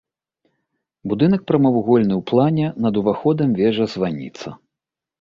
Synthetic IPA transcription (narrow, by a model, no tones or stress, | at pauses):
bud̪ɨnɐk̚pɾɐmɐvuɣɔlʲnɨwplˠanʲɛnɐd̪uvaxɔd̪ɐmvʲɛʐɐzvanʲḭt̪sɐ